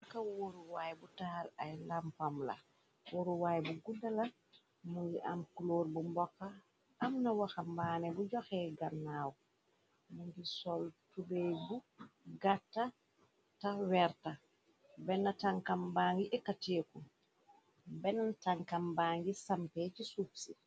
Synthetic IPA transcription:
kawoɾuwajbutaːlajlampamla̰ | woɾuwajbuɡudːala | muŋɡiʔa̰mkuloːɾbumbɔkːaː | mnawaxambanɛbuɟɔxɛɡanːaːw | muŋɡisɔltubebuɡatːa | tawɛɾta | bɛnːataŋkambaŋɡiʔɛkːateːku | bɛntaŋkambaŋɡisampɛt͡ʃisufsi

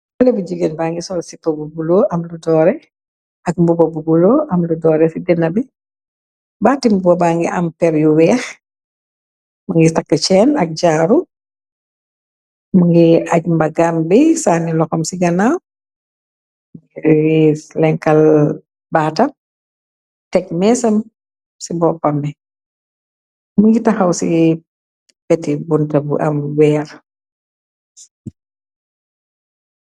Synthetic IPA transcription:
bɐlɛbud͡ʒiɡenbaːŋɡisɔlsipːɐbubulɔʔɐmludɔːɾɛ | ʔɐk̚mbubobuɡuloʔɐmludɔːɾɛsidɛnːɐbi | baːtimbubɔbaŋɡiʔɐ̰mpɛɾjuwɛːx | maŋɡisakːɐt͡ʃɛːnɐk̚ɟaːɾu | maŋɡiaɟmbɐɡambisaːnilɔxɔmsiɡɐnaw | mɡiwilɛŋkɐl | baːtɐ | tɛk̚mɛsɐm | sibɔːkɔmɛ | muŋɡitɐxɐwsi | bɛtibuntɐbṵʔɐ̰mwɛːɾ

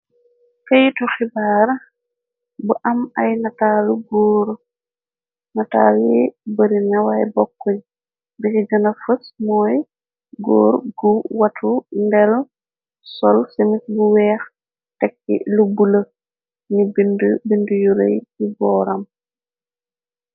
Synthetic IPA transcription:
kajituxibaːɾ | buʔɐmajnataːluɡɔːɾ | nata̰libəɾinawajbɔkːɔɲ | bikiɡɐnafəsmɔːj | ɡɔ̰ːɾɡuwatʰundɛl | sɔlsemisbuwɛːx | tɛkːḭlubulə | nibindbindujuɾḛjkibɔːɾam

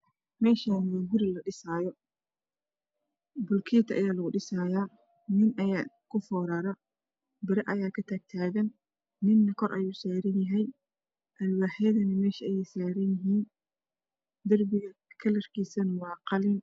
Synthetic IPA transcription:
mɛːʃaːnwɑːɡʊɾɪlɐɗɪsaːjɔ | bʊlkʰiːt̪ʰɐʔɐ̰jaːlɐɣʊɖɪsaːjaː | nɪnʔɐjaː | kʰʊfɔːɾɐɾɐ | bɪɾɐʔɐjaːkʰɐt̪ʰaːɡ̚t̪ʰaːɣɐnː | ɪnːɐkʰɔrʔɐ̰juːsaːɾɪnjɐɦɛj | ʔɐlwaːħɛːðɐnɐmɛːʃɐɐjɛjsaːɾɪnjɪɦiːn | d̪ɐrbɪɣɐkʰɐlɐrkʰiːsɐnɐwɑːqɑlɪn

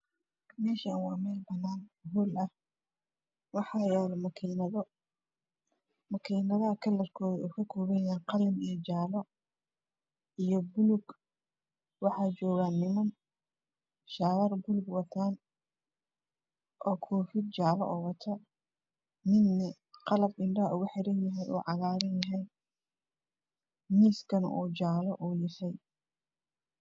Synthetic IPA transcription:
mɛːʃɐnwɑːmɛːlbɐnːaːnɦulɐh | wɑħɑjɛːlmɐkʰinɐðɔ | mɐkʰiːnɐðɐɦɐkʰɐlɐrkʰɔːðɛɔːkʰɐkʰɔːβɐjaːnqɑlɪmit͡ʃaːlɔ | ijɔbʊlʊɡ | wɑħɑːt͡ʃɔːɣaːnɪmɐn | ʃaːɣɐrbʊlʊɡwɑt̪ʰaːn | ʔɔːkʰɔːfɪd̪̚t͡ʃaːlɔ̰ʔɔːwɐt̪ʰɔ | mɪd̪nɐ | qɑlɐbɪɳɖɐɦʊɣʊħɪɾɐnjɐɦɛjṵːʕɑɣaːɾɐnjɐɦɛj | miːskʰɐnʔuːt͡ʃaːlɔʔuːjɪʃɛj

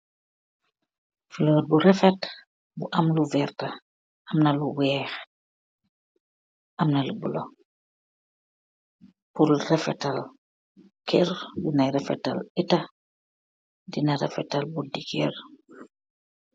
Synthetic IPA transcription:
filɔːd̚buɾɛfɛt | buʔamluvɛrta | ʔɐmnaluwɛːx | ʔɐmnalubṵlo | pulrɛfɛtal | kʰɛɾbinajɾɛfɛta̰lita | dinaɾɛ̰fɛtalbudikɛɾ

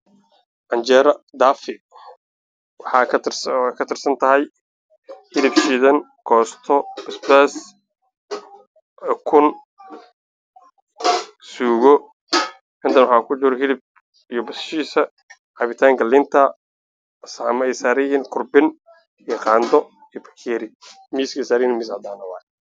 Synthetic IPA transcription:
ʔɐnt͡ʃɛɾɐd̪aːfɪ | wħɑ | kʰɐt̪ʰɪrsɐnt̪ʰɐɦɛj | hɪlɪbʃiːðɐn | kʰɔːst̪ʰɔɪsbɛːs | kʰʊn | suːɣɔ | ɪnt̪ʰɐnwħaːkʰʊd͡ʒʊɾɦɪlɪb̚ | ijɔbɐsʃiːsɐ | ʕɑβɪt̪ʰaːŋkʰɐlɪnt̪ʰɐ | samɐɛjsaːɾɪjhiːnkʰʊrbɪn | ijɔqɑːnd̪ɔ | ijɔbɐ̥kʰɛːɾɪ | miːsɛsaːɾɪjiːnmɪsʕd̪aːnɐwa̰ː

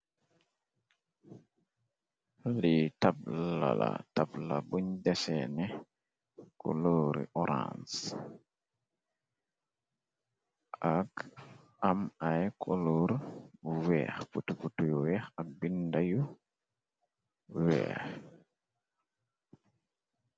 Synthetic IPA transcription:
litabllalatablabuɲdɛsɛnɛ | kʰɔ̰loɾḭʔɔɾʔa̰ns | ʔak | amajkʰɔloɾwɛxputuputujuwɛxak̚bindaju | wɛ̰ːx

